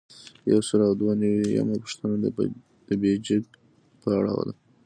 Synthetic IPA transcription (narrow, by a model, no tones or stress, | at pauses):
ja̰wsəlawd̪wanəwija̰mapə̥ʂt̪ənad̪ | d̪̥əbed͡ʒɪɡ | pəaɽɑ̰wa̰d̪a